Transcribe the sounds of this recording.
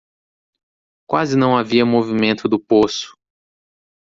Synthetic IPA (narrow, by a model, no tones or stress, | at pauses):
kwazɪnɐ̃w̃aviɐmovimẽnt̪ʊd̪ʊposʊ̥